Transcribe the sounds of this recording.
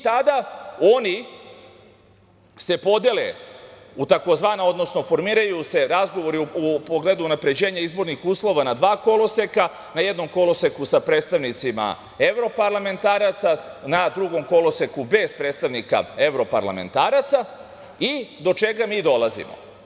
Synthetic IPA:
t̪ad̪ao̞ni | se̞po̞d̪je̞le̞̰ | ut̪ako̞zʋaːnao̞d̪no̞sno̞fo̞ɾmiːɾajuse̞ɾazɡo̞ʋo̞ɾiupoɡled̪uːnapɾe̞d͡ʑe̞ːɲaizbo̞ɾnixuːslˠo̞ʋanad̪ʋaːko̞lo̞seka | najed̪no̞mko̞lo̞sekusapɾet̪st̪aʋnit̪sima̰ | e̞ʋɾo̞paɾlame̞nt̪aːɾat̪sanad̪ɾuɡo̞mko̞lo̞sekube̞zpɾeːt̪st̪aʋnika̰e̞vɾo̞pa̰ɾla̰me̞̰nt̪aːɾat̪sa | id̪o̞t͡ʃe̞ɡamiːd̪o̞lˠazḭmo̰

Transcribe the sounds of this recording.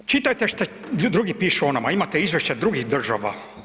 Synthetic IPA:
t͡ʃit̪ajt̪eʃt̪e | d̪ɾuɡipiːʃuonamaimat̪eizvʋjeʃt͡ɕad̪ɾuɡixd̪r̩ʒaʋa̰

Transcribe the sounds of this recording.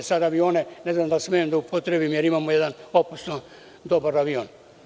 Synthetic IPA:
sad̪aʋio̞ːneneznamd̪asmejemd̪aupʰot̪ɾebimjeɾimaːmojɛd̪anoposno | d̪obaɾaʋioːn

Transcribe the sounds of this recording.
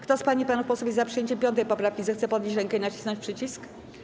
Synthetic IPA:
kt̪ɔspaɲipanufpɔswɔvʲizapʂɨjeɲt͡ɕɛmpʲjɔnt̪̬ɛjpɔpɾafkʲizɛxt̪sɛpɔd̪ɲʲet͡ɕɾɛŋkɛinat͡ɕi̥snɔ̃ɲt͡ɕʲpʂɘt͡ɕisk

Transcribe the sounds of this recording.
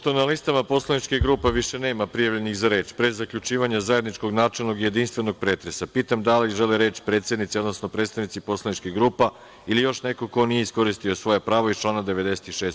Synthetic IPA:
t̪onalist̪amapo̞slˠanit͡ʃkiɡɾuːpeʋiʃe̞ne̞ːmapɾijaʋʎe̞nixzaɾe̞ːt͡ʃpɾezzːakʎut͡ʃiːʋaɲazajed̪nit͡ʃko̞ɡnaːt͡ʃelˠno̞ɡije̞d̪inst̪ʋe̞no̞ɡ̚pɾe̞ːt̪ɾe̞sapiːt̪amd̪aliʒeleɾe̞ːt͡ʃpɾet̪sjed̪nit̪sio̞d̪nosno̞pɾe̞ːt̪st̪aʋnit̪sipo̞slˠanit͡ʃkiɣɡɾuːpa | ilijo̞ʃne̞ko̞ko̞nijeisko̞ɾist̪io̞sʋo̞jepɾaːʋoit͡ʃlˠaːnad̪e̞ʋe̞d̪e̞se̥t̪iʃeːs

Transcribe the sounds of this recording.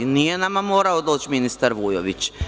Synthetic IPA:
nijenamamoːɾaod̪o̞ːt͡ʃminist̪aɾʋujo̰ʋit͡ɕ

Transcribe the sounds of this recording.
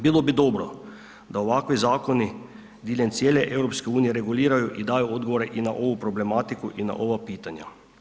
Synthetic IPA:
bilobid̪oːbɾɔ | d̪aoʋakʋizaːkoni | d̪iːlʲjɛnt̪sʲjeːlɛʔewɾopskɛuːnijɛɾɛɡuliːɾajuʔid̪aːjood̪ɡoʋoɾɛʔinaʔoːʋupɾɔblemaːt̪ikuʔina̰ʔoːʋapiːt̪anja̰

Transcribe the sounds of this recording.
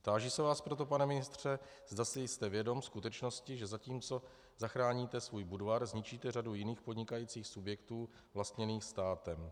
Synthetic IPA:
t̪aːʒiːsɛvaːspɾo̞t̪̬o̞panɛmɪnɪst̪r̝̥ɛ | z̥dasɪjst̪ɛvjɛdo̞mskut̪ɛt͡ʃno̞scɪʒɛzaciːmt͡so̞ | zaxɾaːɲiːt̪ɛsvuːjbudvaɾzɲɪt͡ʃiːt̪ɛradujɪniːxpo̞d̪ɲɪkajiːt͡siːxsubjɛkt̪uː | vlast̪ɲɛniːxst̪aːt̪ɛm

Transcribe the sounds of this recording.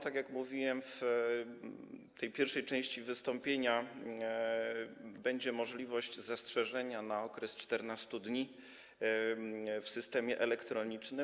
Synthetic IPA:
t̪akʲjakmuvʲiwɛmf | t̪ɛjpʲjɛɾfʂɛjt͡ʂɛ̃w̃ɕt͡ɕivɘst̪ɔmpʲjeɲa | bɛɲd͡ʑɛmɔʐlʲivɔɕd͡ʑzastʂɛʐɛɲanaɔkɾɛst͡ʂt̪ɛɾnast̪ud̪ɲi | fsɘst̪ɛmʲjɛʔɛlɛkt̪ɾɔɲit͡ʂnɘ

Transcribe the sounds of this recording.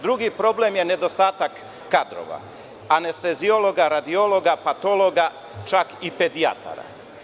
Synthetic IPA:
d̪ɾuɡipɾo̞blemje̞ne̞d̪o̞st̪aːt̪akː | ad̪ɾo̞̰ʋa̰ | ane̞st̪ezio̞lo̞ɡaɾad̪io̞lo̞ɡapat̪oloɡa | t͡ʃakipe̞d̪ia̰t̪ʰa̰ɾa̰

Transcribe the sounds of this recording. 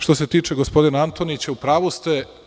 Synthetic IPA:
ʃt̪o̞set̪iːt͡ʃeɡospo̞d̪inaant̪o̞nit͡ɕaupɾaːʋost̪e

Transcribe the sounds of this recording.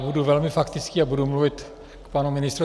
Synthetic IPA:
buduvɛlmɪfakt̪ɪt͡skiːabudumluvɪt̪ | kpanumɪnɪst̪ɾu

